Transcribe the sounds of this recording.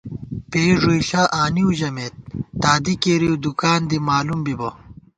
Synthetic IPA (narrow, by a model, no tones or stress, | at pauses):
peːʐoiɬaːʔaːniuʑɐmet̪̚ːaːd̪ikeːɾiud̪ukaːnd̪imaːlumbibɐ